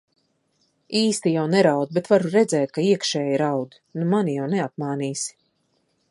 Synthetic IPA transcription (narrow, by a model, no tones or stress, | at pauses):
iːst̪ijawnɛɾawd̪bet̪vaɾuɾɛd̪zɛːt̪̚kaiɛkʃɛːjiɾawd̪inumanijawnɛap̪̚maːniːsi̥